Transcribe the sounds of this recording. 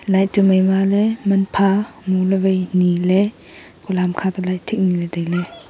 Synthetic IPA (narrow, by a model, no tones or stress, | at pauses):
lajtuməjmalɛmɐnpʰamuləbejnilɛ | kulamkʰat̪alajʔtʰik̚nilɛdajlɛ